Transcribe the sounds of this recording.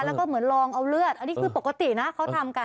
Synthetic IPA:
lɛ˦˥wkɔː˥˩mɯ˩˦ənlɔː˧ŋʔa˧wlɯ˥˩ət̪̚ʔa˧nːiː˦˥kʰɯː˧po˨˩ka˧t̪i˨˩na˦˥kʰa˦˥wt̪ʰa˧mka˧

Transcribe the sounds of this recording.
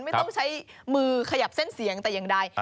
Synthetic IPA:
nma˥˩t̪ɔ˥˩ŋt͡ɕʰa˦˥jmɯː˧kʰa˧ja˨˩p̚se˥˩nsi˩˦əŋt̪ɛː˨˩ja˨˩ŋdaː˧j

